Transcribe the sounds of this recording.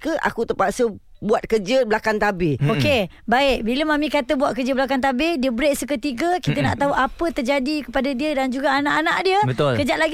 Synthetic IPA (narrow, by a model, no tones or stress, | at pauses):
kəʔa̰kut̪əpaʔsə | buat̪̚kəd͡ʒəblakant̪abɪoke | baɪʔbiləmamĩkat̪əbuwat̪̚kəd͡ʒəbəlakant̪̬abɪdiəbəɾeʔsəkət̪iɡəkit̪əna̰ʔt̪aɦuʔapət̪ərd͡ʒadikəpadadiədand͡ʒuɡaanaʔanã̰ʔdiəbət̪olkəd͡ʒaʔ̪̚laɡ